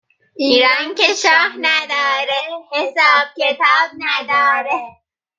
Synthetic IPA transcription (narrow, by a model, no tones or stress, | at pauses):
ʔiːɾɑːnkeʃɒːhnæd̪ɒːɾehesɑːb̥̚cet̪ʰɑːb̥̚næd̪ɒːɾe